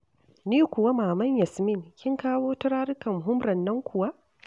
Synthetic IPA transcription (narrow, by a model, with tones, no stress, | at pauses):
niː˦kʷʊ˨wa˦maː˨mɐ˦ɲjɐ˨smɪ˦˨ŋkʲɪ˦ŋkaː˦woː˦tʊ˦ɽaː˦ɽɪ˦kɐ˨m˨ɦʊ˦mɾɐ˨nːɐ˦ŋkʷʊ˨wa˦ʔ